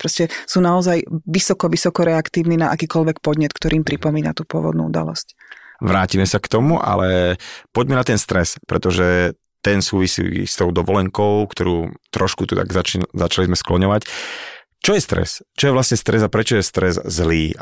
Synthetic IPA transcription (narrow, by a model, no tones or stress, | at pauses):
pɾɔscɛsuːnaɔzajʋisɔkɔʋisɔkɔɾɛakt̪iːʊninaʔakiːkɔʎʋɛkpɔd̪ɲɛt̪kt̪ɔɾʔiːmpɾipɔmiːna̰t̪uːpʊɔ̰ʋɔ̰d̪nṵṵd̪a̰lɔ̰scʋɾaːcimɛsakt̪ɔmuʔa̰lɛpɔɟmɛnat̪ɛnst̪ɾɛspɾɛt̪ɔʒɛ | t̪ɛnsuːʋisḭːst̪ɔʊd̪ɔʋɔlɛŋkɔʊkt̪ɔɾuːt̪ɾɔʃkut̪ut̪a̰ɡzat͡ʃnzat͡ʃalizmɛsklɔɲɔʋac | t͡ʃɔjɛst̪ɾɛ̰st͡ʃɔjɛʋlasɲɛst̪ɾɛzapɾɛt͡ʃɔjɛst̪ɾɛzzliː